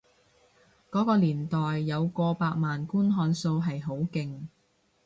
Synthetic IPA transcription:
kɔː˨˥kɔː˧liː˨˩nt̪ɔː˨jːɐ˨˧wkɔː˧paː˧k̚maː˨nkuː˥nɦɔː˧nso˧wɦɐ˨jɦo˨˥wkɪ˨ŋ

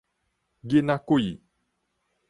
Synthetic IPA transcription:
ɡe˦nã˦ko˦˨i˨

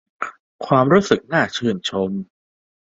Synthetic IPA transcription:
kʰwaː˧mɾuː˦˥sɯ˨˩k̚naː˥˩t͡ɕʰɯː˧˩ənt͡ɕʰo˧m

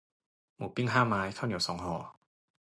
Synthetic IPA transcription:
muː˩˦pi˥˩ŋɦaː˥˩maː˦˥jk̪ʰa˥˩wni˨˩˦wsɔː˩˦ŋhɔː˨˩˦

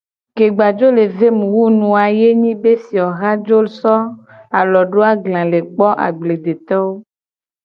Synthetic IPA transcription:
ke˨ɡ͡ba˨d͡ʒo˦le˨ve˦mũ˨wu˦nũ˨a˨je˦ɲĩ˦be˦si˨ɔ˨ɣa˦d͡ʒo˦lsɔ˦ | a˨lɔ˨ɖo˦a˦ɡlã˨le˨k͡pɔ˦ʔa̰˨ɡ͡ble˨d̪e˨t̪ɔ˦wo˦

